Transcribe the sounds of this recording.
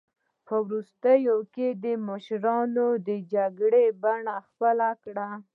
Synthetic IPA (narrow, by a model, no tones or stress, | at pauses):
pəwɾust̪əjoked̪əməʃɾɑnod̪əd͡ʒaɡɽebaɳaxpəlakɽa